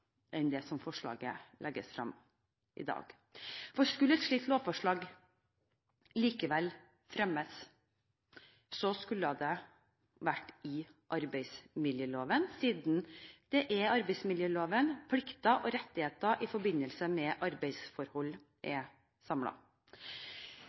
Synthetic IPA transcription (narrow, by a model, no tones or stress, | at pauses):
ʔɛnd̪ɛsɔmfɔʂɭɑ̰ːɡə̰lɛɡəsfɾɑ̰m | ʔɪ̰d̪ɑ̰ːɡ̥ | fɔskʉləɛt̪ʂɭiːt̪loːʋfɔʂɭɑːɡ | liːkəʋɛl | fɾɛməs | sɔskʉlːəəd̪ɛ | ʋæʈːɪʔɑɾbɛɪsmɪljəloːʋənsiːd̪nd̪̥ɛʔɛɑɾbɛɪsmɪljøːloːʋənpʰlɪkt̪ɑʔɔɾɛt̪ːɪheːt̪ɑʔɪfɔɾbɪnːəlsəmɛʔɑɾbɛɪsfɔɾhɔlː | ʔɛ | sɑmlɑ̰